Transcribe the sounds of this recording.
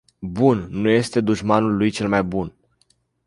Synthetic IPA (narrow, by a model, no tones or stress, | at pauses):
bunːuje̞st̪e̞d̪uʒmanulːujt͡ʃe̞lmajbun